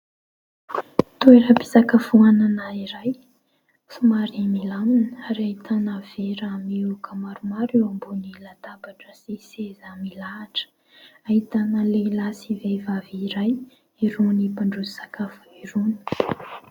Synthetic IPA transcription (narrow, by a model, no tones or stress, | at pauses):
t̪ueɾapi̥sakafuananaiɾaj | sumaɾimilaminəaɾiaɦit̪ʰanaveɾamiukʰəmaɾumaɾewambunilat̪abaʈ͡ʂəsisezamilaːʈ͡ʂə̥ | aɦit̪anəlelasivevaviɾaj | iɾunipaɳɖ͡ʐuzisakafəiɾuni̥